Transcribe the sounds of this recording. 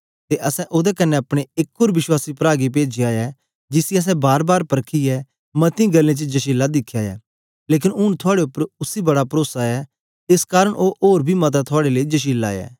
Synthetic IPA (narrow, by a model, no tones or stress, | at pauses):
t̪eʔɐsɛ̃ʔoːd̪ɛkɐnːɛɐpɽ̃eɪkoːɾʋɪʃwaːsipɾaːɡip̬eːd͡ʒiaːɛ | d͡ʒɪsiɐs̬ɛ̃baːɾbaːɾpɐɾkʰiɛ | mɐt̪ĩɡɐlːẽt͡ʃəd͡ʒɐʃiːlːad̪ɪkʰːjaːjɛ̰ː | leːk̬ɪnʊnt̪ʰʊaːɽeʊpːəɾʊsibɐɽapɾoːsaɛ | ɪskaːɾəɽʔoːʔoːɾbʱimɐt̪̬at̪ʰʊaːɽeleid͡ʒɐʃ̬iːla̰ːjɛ̰ː